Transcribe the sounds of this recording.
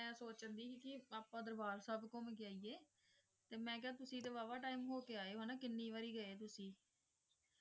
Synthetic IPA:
ɛ̃ːsoːt͡ʃənd̪iːkikɪaːpãːd̪əɾbaːɾsaːbkõːmẽːk̬ɪjaːiːeː | t̪eːmɛ̃ːkaːt̪ʊsĩːt̪eːʋaːʋaːʈaːiːmɦoːkeːaːeːɦaːnaːkɪnːiːʋaːɾiːɡəeːt̪ʊsĩː

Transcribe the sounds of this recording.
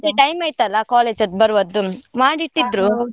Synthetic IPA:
d̪eʈɐjmaːjt̪ɐlːɐkaːleːd͡ʒɐt̪̚bɐɾʋɐd̪ːumaːɽiʈːid̪ɾu

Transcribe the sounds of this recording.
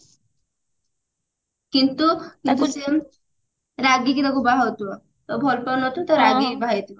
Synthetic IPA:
kint̪ukint̪use | ɾaɡik̬it̪akubaɦɔwt̪uɔ | t̪ɔbʱɔlpɔnɔt̪unt̪ɔɾaɡibʱaɦit̪uɔ

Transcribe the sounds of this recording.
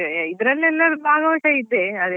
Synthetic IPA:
id̪ɾɐlːɛlːɐɾubʱaːɡɐʋɐʈɐid̪ːeɐd̪

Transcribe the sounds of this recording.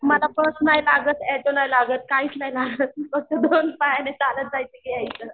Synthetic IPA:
malafəsnajt̪aɡət͡sɛʈolajlaɡət̪̚kaiːt͡sləjlaɡət̪̚kəɡ̚ted̪onpajanet͡salət̪̚d͡zajt͡sekiajt͡sə

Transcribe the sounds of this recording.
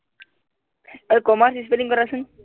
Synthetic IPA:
əkɔmaɾsispeliŋkəɾasəŋ

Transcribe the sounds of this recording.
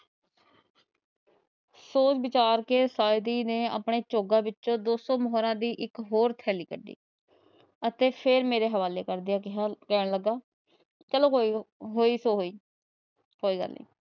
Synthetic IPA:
soːt͡ʃbɪt͡ʃaːɾkeːsaːɪd̪iːneːa̰ːpɳeːt͡ʃoːɡãːbɪtːt͡ʃõːd̪oːsoːməɦɾãːd̪iːʔɪkɦoːɾt̪ʰɛːliːkəɖːḭː | ət̪eːpʰeɾmeːɾeːɦəʋaːleːkəɾd̪iaːɪɦakɛːɽ̃ləɡaː | t͡ʃəlõːɦoːiːsoːɦoːiː | koːiːɡə̰lːḭː

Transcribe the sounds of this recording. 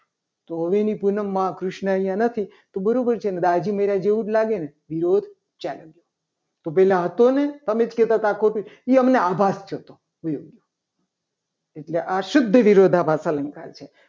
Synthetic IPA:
t̪oɦəʋenipunəmːãkɾʊʃɳəəĩjãnət̪ʰi | t̪obəɾobəɾt͡ʃʰened̪ad͡ʒiməɾad͡ʒeʋũʈlaɡeneʋiɾod̪ʱ | t͡ʃaləɡjo | t̪opɛlãɦət̪onet̪əmed͡ʒkɛt̪at̪akʰoʈuiəmneabʱast͡ʃʰot̪o | ujoɡjo | eʈleʔaʃʊd̪ʱːəʋiɾod̪ʱapasələŋka̰lt͡ʃʰe

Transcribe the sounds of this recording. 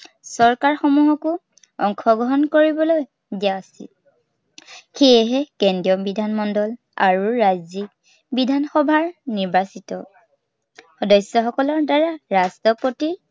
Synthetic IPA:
sɔɹkaɹxɔmuɦɔkʊ | ɔŋkʰɔɡɔɦɔnkoɹibɔloj | dijaːsḭl | xejɛɦɛkɛndiɔbidʱanmɔndɔl | a̰ɹuɹajzik | bidʱanxɔbʱaɹniɹbasitɔ | xɔdɔsjɔxɔkɔlɔɹdaɹaɹastɔpoti

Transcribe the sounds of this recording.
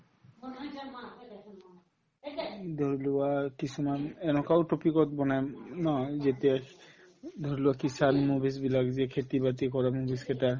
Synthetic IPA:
d̪ʱɔɹiluwakisʰumanɛnɔkawtopikɔt̪̚bɔnajnɔzet̪ | d̪ʱɔɹilʊakisanmubis̬bilakzɛkʰetibat̪ikɔɹamubiskʰɛtaɹ

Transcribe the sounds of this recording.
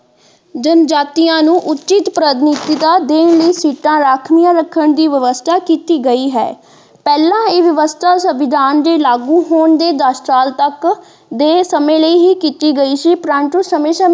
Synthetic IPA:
d͡ʒənd͡ʒaːt̪ijãːnũːʔʊtːt͡ʃɪt̪pɾəd̪niːt̪iːd̪aːd̪eːnləiːsiːʈãːɾaːkʰnɪjãːɾəkʰːəɳd̪iːʋəʋəst̪ʰaːkiːt̪iːɡəiːɦɛ̰ː | pɛːlãːeːʋəʋəst̪ʰaːsəʋɪd̪ʱaːnd̪eːlaːɡũːɦoːɳd̪eːd̪aːsʈaːlt̪ək | d̪eːsəmẽːləiːɦiːkiːt̪iːɡəiːsiːpɾãːɳʈuːsəmẽːsə

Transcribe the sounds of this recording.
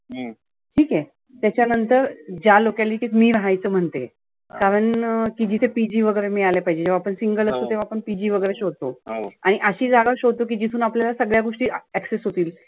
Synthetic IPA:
ʈʰiːke | t̪jat͡ɕjanənt̪əɾd͡ʑjalokjaliːk̪it̪miːɾəɦajt͡səːm̤əɳt̪ḛ | kaɾəɳkid͡ʑit̪ʰepid͡ʑiːʋəɡəɾemiːalepaɦid͡ʑed͡ʑeʋ̤aːpəɳsiŋɡələsot̪eʋ̤aːpəɳpid͡ʑiːʋəɡəɾeɕod̪̚t̪oaɽ̃iʔəɕiːd͡zaɡaɕod̪̚t̪ok̬iːd͡ʑit̪ʰuːnapljalasəɡɭjaɡoʂʈiːɛksesɦot̪iːl

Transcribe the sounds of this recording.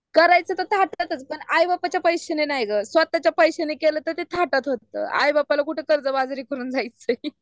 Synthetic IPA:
kəɾajt͡sət̪ət̪ʰaʈat̪ət͡spəɳajbapat͡ɕjapəjɕənenajɡəsʋat̪ːat͡ɕjapəjɕənekeləːt̪ət̪et̪ʰaʈət̪ɦot̪ːə̰ːa̰jbapalakuʈʰekəɾd͡zəbad͡zɾiːkəɾuːnd͡zʱajt͡sə

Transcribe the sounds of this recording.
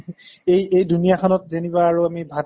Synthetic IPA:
ejejdunijakʰɔnɔt̚zenibaːɹuamibʱa

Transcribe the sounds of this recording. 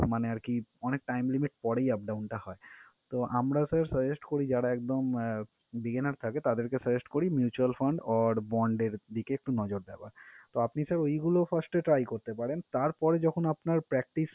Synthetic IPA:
maneaɾkiɔnek̚ʈajmlimiʈpɔɽejap̚ɖawnʈahɔe | t̪oʔamɾasəɾsəd͡ʑesʈkoɾid͡ʑaɽaɛk̚d̪om | biɡenaɾt̪ʰaket̪ad̪eɾkesəd͡ʑesʈkoɾimjut͡ɕualfaɳɖɔɾbɔɳɖeɾd̪ikeek̚ʈunɔd͡ʑoɾd̪ɛba̰ɾt̪oapnisəɾojɡulofasʈeʈɾajkoɾt̪epaɾent̪aɾpɔɾed͡ʑɔkʰonapnaɾpɾɛk̚ʈis

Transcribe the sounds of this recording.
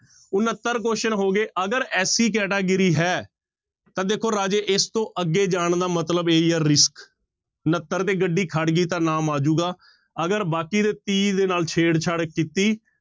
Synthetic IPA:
ʊnət̪ːəɾkoːʃənɦoːɡeːʔəɡəɾɛːsiːkɛːʈaːɡɪɾiːɦɛː | t̪ãːd̪eːkʰoːɾaːd͡ʒeːʔɪst̪õːʔəɡːeːd͡ʒaːɳd̪aːmət̪ləbeːiɛːɾɪsk | ʊnət̪ːəɾt̪eːɡəɖːiːkʰəɽɡiːt̪ãːnaːmaːd͡ʒuːɡaː | əɡəɾbaːkiːd̪eːt̪iːd̪eːnaːlt͡ʃʰeːɽt͡ʃʰəɽkit̪iː

